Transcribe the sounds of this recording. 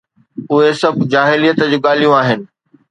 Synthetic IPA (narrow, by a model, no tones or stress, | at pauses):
ʊɦesɐbʱd͡ʑaːɦɪlijət̪əd͡ʑuːɠaːlijũaːɦɪnɪ̆